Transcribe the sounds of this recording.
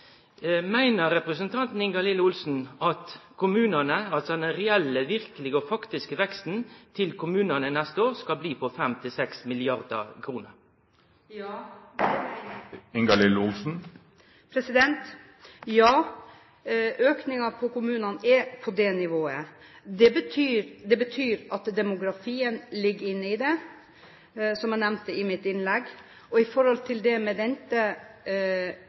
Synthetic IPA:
mæɪnəɾɾɛpɾəsənt̪ʰɑnt̪n̩ɪŋɡɑlɪləʊlsn̩ɑt̪kʰʊmʉːnənəɑt̪ɛnɛʁɛɛlːəʋɪʁkəlɪɡəɔfɑkt̪ɪskəʋɛkst̪n̩t̪ʰɪlkʰʊmʉːnənənɛst̪əoːʁskɑlbliːpʰɔfɛmt̪ʰɪlsɛksmɪlɪɑʁd̪ə̰kʰɾuːnəɾ | ɪŋɡɑlɪləʊlsn̩ | pʰɾɛsɪd̪ɛnt̪ | jɑː | øːknɪŋɑpʰɔkʊmʉːnɑnɛɾpʰɔd̪ɛnɪʋoːəd̪ɛbət̪ʰyːɾd̪ɛbət̪ʰyːɾʔɑt̪d̪ɛmʊɡɾɑfiːənlɪɡːəɾɪnːəɪd̪ɛ | sɔmjɛnɛmnt̪əɪmɪt̪ɪnlɛɡː | ɔɪfɔɾhɔlt̪ʰɪld̪ɛmɛd̪ɛnt̪ə

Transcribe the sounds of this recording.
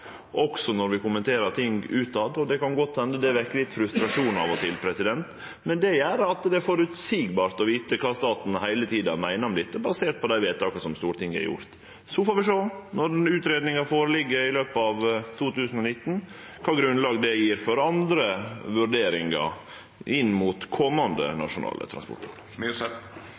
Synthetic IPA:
ʔɔksɔnɔɾʋɪkʊmənt̪ʰeːɾət̪ʰɪŋɡʉːt̪ɑd̪ɔd̪ɛkɑnɡɔt̪ːhɛnd̪əd̪ɛʋæɾkːəlɪt̪ːfɾʉst̪ɾɑʂuːnɑ̰ʋɔt̪ɪlpʰɾɛsɪd̪ɛnt̪ | mɛnd̪ɛjæːɾəɑt̪d̪ɛæɾfɔɾʉt̪siːɡbɑːɾt̪ɔʋiːt̪əkʰɑːst̪ɑːt̪n̩hæɪlət̪ʰiːd̪ɑ̰mæɪnəɔmlɪt̪ːəbɑseːt̪̚pʰɔd̪æɪʋeːt̪ɑːkəsɔmst̪uːɾt̪ɪŋːæ̰ɾjʊ̰ɾt̪ | sɔfoːɾʋɪʂoːnɔɾʉːt̪ɾeːd̪nɪŋɑfoːɾəlɪɡːəɾɪløːpɑʋt̪ʰuːt̪ʉːsən̩ɔnɪt̪ːn̩ | kʰɑːɡɾʉnlɑːɡd̪ɛjiːɾfɔɾɑnd̪ɾəʋʉɾɖeːɾɪŋɑ̰ | ɪnːmʊːt̪kʰɔmːɑnd̪ə̰nɑ̰ʂʊnɑ̰ːlə̰t̪ʰɾɑ̰nspɔ̰ʈpʰɑl

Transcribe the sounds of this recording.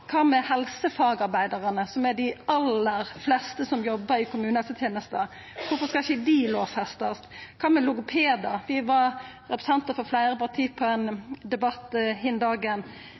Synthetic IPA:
kʰɑːmɛhɛlsəfɑːɡɑɾbæɪd̪ɑɾənəsɔmɛɖ̪ɪɑlːəɾflɛst̪əsɔmjɔbːəɾɪkʰʊmʉːnət̪ʰət̪ʰjeːnəst̪ə | kʰʊfɔskɑɪçəd̪iloːʋfɛst̪əst̪kʰɑːmɛlʊɡʊpʰeːd̪ɑɾʋɪʋɑɾ | ɾɛpɾə̥sɛnt̪əɾfɔɾflæɪɾəpʰɑʁt̪ʰiːpʰɔɛnd̪ɛbɑt̪ːhɪnd̪ɑːɡən

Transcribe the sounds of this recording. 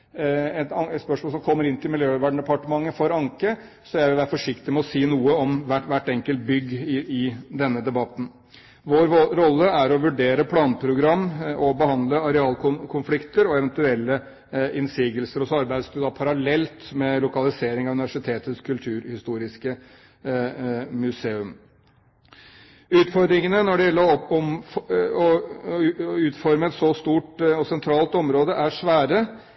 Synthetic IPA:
ɛt̪ɛt̪spœʂmolsɔmkʰɔmːəɾɪnt̪ʰɪlmɪljøːʋæːɖɳɖ̪ɛpɑʈəmɑŋːəfɔɾɑŋkə | sɔjæɪʋɪlʋæːɾəfɔʂɪkt̪ɪmɛɔsiːnuːəɔmʋæʋæʈːɛŋkəlt̪̚bʏɡːɪɪd̪ɛnːəd̪ɛbɑt̪ːn̩ | ʋoːɾːɔlːəæɾɔʋʉɖeːɾəpʰlɑːnpʰɾʊɡɾɑmːɔbəhɑnd̪ləɑɾɛɑːlkʰʊnkʰʊnflɪkt̪əɾɔɛʋɛnt̪ʉɛlːə | ɪnsiːɡəlsəɾɔsɔɑɾbæɪd̪sd̪ʉd̪ɑpʰɑɾɑlɛlt̪mɛlʊkɑlɪseːɾɪŋɑʋʉnɪʋæʂɪt̪ʰeːt̪ət̪skʰʉlt̪ʰʉːɾhɪst̪uːɾɪskə | mʉseːʉm | ʉːt̪fɔɾd̪ɾɪŋənənɔɖɛjɛlːəɾɔɔmfɔ | ʉːt̪fɔɾməɛt̪sɔst̪uːʈɔsɛnt̪ʰɾɑːlt̪ɔmɾoːd̪əʔæʂʋæːɾə

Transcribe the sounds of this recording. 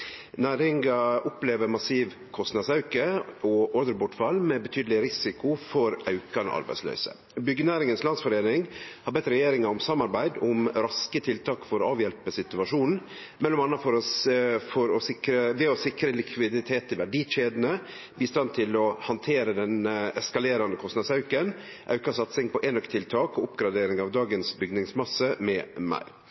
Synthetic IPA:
næːɾɪŋɡɑʔʊpleːʋəɾmɑsiːʋ | kʰɔst̪nɑd̪sɑʉkəɔʔɔɾd̪əɾbʊʈfɑlːmɛbət̪ʰyːd̪lɪɾɪsɪkʊfɔɾɑ̰ʉkɑn̰ʔɑ̰ɾbæ̰ɪslø̰ʏsə̰ | bʏɡənæːɾɪŋənslɑnsfɔɾeːnɪŋhɑɾbɛt̪ːɾɛjeːɾɪŋɑɔmsɑmːɑɾbæɪd̪ʊmɾɑskət̪ʰɪlt̪ʰɑːkfɔɾɔɑːʋjɛlpəsɪt̪ʉɑʂuːnn̩ | mɛlːɔmɑnːɑfɔɾɔfɔɾɔsɪkɾəʋɛɔsɪkɾəlɪkʰʋɪd̪ɪt̪ʰeːt̪ʰɪʋæɖiːʃeːd̪ənə | biːst̪ɑnt̪ʰɪlɔhɑnt̪ʰeːɾəd̪ɛnɛskɑleːɾɑnd̪əkʰɔst̪nɑd̪sɑʉkən | ʔɑ̰ʉkɑsɑt̪sɪŋpʰɔʔɛnœkt̪ʰɪlt̪ʰɑːkɔʊpɡɾɑd̪eːɾɪŋɑʋd̪ɑːɡənsbʏɡnɪŋsmɑsəmɛmæ̰ɪɾ

